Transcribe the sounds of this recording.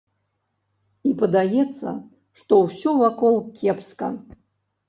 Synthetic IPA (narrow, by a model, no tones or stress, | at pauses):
ipɐd̪ajɛt̪sːɐ̰ | ʂt̪ɔwsʲɔvakɔlˠkʲɛpskɐ̰